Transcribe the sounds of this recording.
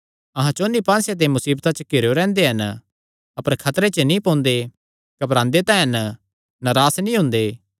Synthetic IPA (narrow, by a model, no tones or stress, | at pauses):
ɐɦãt͡ʃoːnːipãːnsjat̪̬emʊsiːbt̪at͡ʃəkeɾjoɾɛ̃ːnd̪eɦɐn | ɐpəɾkʰɐt̪ɾet͡ʃənĩpõːnd̪e | kɐpɾãːnd̪et̪ãːɦən | nɐɾaːsnĩɦʊ̃ːnd̪eː